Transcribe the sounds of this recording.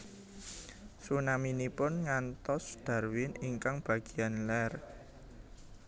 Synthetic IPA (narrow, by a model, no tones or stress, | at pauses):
sunaminipʊnŋant̪ɔsd̪̥a̤rwɪniŋkaŋb̥a̤ɡ̥i̤janlɛr